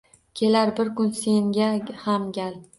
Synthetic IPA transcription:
kʲʰe̞laɾbɪɾkʊnse̞ŋɡʲahamɡʲal

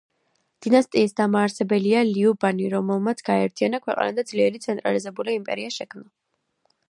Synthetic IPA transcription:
d̪̥inast̪ʼiːsd̪amaːɾsɛbɛlialiubaniɾɔmɛlˠmat̪sʰɡ̥aɛɾt̪ʰianakʰwɛqʼa̰nad̪ad̪zliɛɾit̪sʰɛnt̪ʼɾalizɛbuliimpʼɛ̰ɾiaʃɛkʰmna

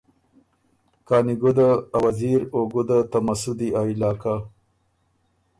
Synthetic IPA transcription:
kɑːniɡʊd̪aawaziɾoɡʊd̪at̪amasʊd̪iailɑːka

